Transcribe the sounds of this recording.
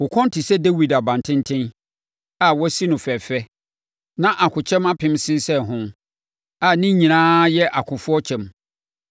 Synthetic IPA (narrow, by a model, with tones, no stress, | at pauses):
wʊ˨kʰɔ̃˦n˦tʰi˨sɛ˦dɛ˦wi˨da˨bã˨n˨tʰɪ̃˦n˦tʰɪ̃˦n | a˨wɔ˦si˦nʊ̃˨fɛ˨fɛ˦ | nã˦ʔa˨kʰʊ˨t͡ɕʰɛ̃˦ma˦pʰɪ̃˦msɪ̃˦n˦sɛ˦˨ɦʊ̃˦ | a˨nɪ̃˦ɲĩ˨nãː˦jɛ˦ʔa˨kʰʊ̃˨fʊ˦ɔ˦t͡ɕʰɛ̃˨m